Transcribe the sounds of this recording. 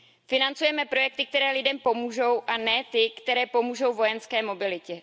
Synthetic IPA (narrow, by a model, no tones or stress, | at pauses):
fɪnant͡sujɛmɛpɾo̞jɛk̚t̪ɪk̚t̪ɛɾɛːlɪdɛmpo̞muːʒo̞wʔanɛt̪ɪkt̪ɛɾɛːpo̞muːʒo̞wvo̞jɛnskɛːmo̞bɪlɪcɛ